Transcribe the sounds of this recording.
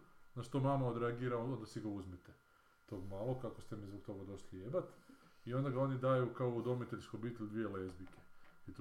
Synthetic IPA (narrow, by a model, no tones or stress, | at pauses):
naʃt̪omamaod̪ɾeaɡiːɾaoond̪asiɡauzmit̪e | t̪o̞ːɡmalˠo̞kakost̪emizbok̚t̪o̞ɡad̪oslʲjeːbat̪io̞nd̪aɡao̞nid̪aːjukaoud̪o̞mit̪eʎʲskobiːt̪elʲd̪ʋijelezbikeit̪